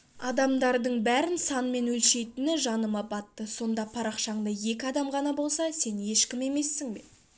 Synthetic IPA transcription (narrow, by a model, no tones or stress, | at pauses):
ɑd̪ɑmd̪ɑɾd̪əɴbæɾɪnsɑnme̞nwɵlʃe̞jt̪ɪnɪʒɑnəmɑpɑt̪ːəso̞nd̪ɑpʰɑɾɑqʃɑɴd̪ɑje̞kʲɪɑd̪ɑmʁɑnɑbo̞lˠsɑse̞nje̞ʃkʲɪme̞me̞sːɪŋbe̞